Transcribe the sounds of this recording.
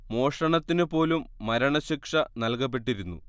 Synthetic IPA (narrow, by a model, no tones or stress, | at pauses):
mo̞ːʂɐɳɐt̪ːinupo̞ːlumːɐɾɐɳɐɕikʂɐnɐlkɐp̬ːe̞ʈːiɾunːṵ